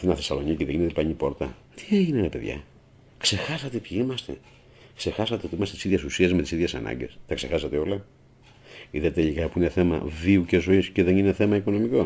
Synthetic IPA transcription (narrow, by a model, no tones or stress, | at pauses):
inɐθe̞sɐlo̞niceðeʝinet̪eipɐɲipo̞ɾt̪ɐ | t̪i̥eʝineɾepeðʝɐ̰ | kse̞xɐsɐt̪epçiimɐst̪e̞̰ | kse̞xɐsɐt̪e̞ot̪iimɐst̪eisiðʝesusiɐzmet̪isiðʝesɐ̰nɐ̰ɲɟe̞̰st̪ɐkse̞xɐsɐt̪e̞o̞lɐ | iðɐt̪eʎikɐpuine̞θe̞mɐ̰viuce̞zo̞isce̞ðe̞nine̞θe̞mɐiko̞no̞miko̞